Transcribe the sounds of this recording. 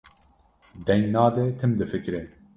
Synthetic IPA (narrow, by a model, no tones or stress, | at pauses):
d̪ɛŋnɑːd̪ɛt̪ʰɨmd̪ɨfɨkɾɨn